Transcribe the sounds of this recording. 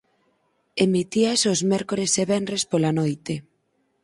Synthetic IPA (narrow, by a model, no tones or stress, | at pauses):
emit̪iasozmɛɾkoɾeseβenrɾespolanojt̪e